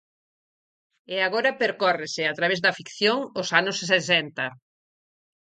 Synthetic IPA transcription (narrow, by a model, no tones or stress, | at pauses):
eaɣoɾɐpeɾkɔrɪsɪat̪ɾaβezðɐfikθjoŋʊsanʊssesɛnt̪ɐ